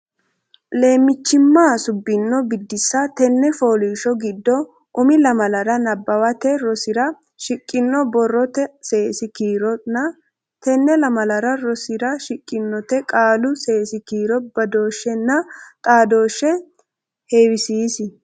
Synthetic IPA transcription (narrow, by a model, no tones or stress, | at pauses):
le̞ːmːɪt͡ʃːɪmːaːsʊbːɪnːɔbɪd̪ːɪsːɐt̪ɛnːɛfoːliːʃɔɡɪd̪ːɔ | ʔʊmɪlɐmɐlɐɾɐnɐbːɐwɐt̪ɛɾɔsɪɾɐ | ʃɪkʼːɪnːɔbɔrːɔt̪ɛse̞ːsɪkiːɾɔnɐ | t̪ɛnːɛlɐmɐlɐɾɐɾɔsɪɾɐʃɪkʼːɪnːɔt̪ɛkʼaːlʊse̞ːsɪkiːɾɔbɐd̪o̞ːʃːɛnːɐt̪ʼaːd̪o̞ːʃːɛ | heːwɪsiːsɪ